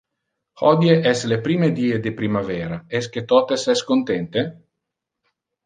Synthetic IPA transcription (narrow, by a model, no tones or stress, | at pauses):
hɔd̪jeʔɛslepɾiːmed̪iːed̪epɾimavɛːɾaɛsk̟et̪ɔt̪esɛskont̪ɛnt̪e